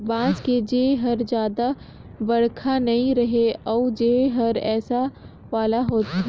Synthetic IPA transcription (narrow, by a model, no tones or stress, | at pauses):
bãːsked͡ʒeːɦɐɾd͡ʒjaːd̪a | bɐɽkʰanɐɦĩɾɐɦeɔːd͡ʒeːɦɐɾɛːsa | ʋaːlaɦoːt̪